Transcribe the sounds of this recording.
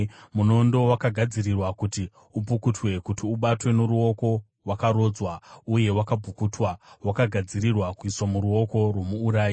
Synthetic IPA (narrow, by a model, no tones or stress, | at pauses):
muno̞ndo̞wakaɡʱad͡zirirwakuti | ubʱukutwe̞kutiuɓatwe̞noɾuo̞ko̞ | rwakaɾo̞ːd͡zwauje̞wakabʱukutwawakaɡʱad͡zirirwakuiswamuɾuo̞ko̞rwo̞muːɾaːji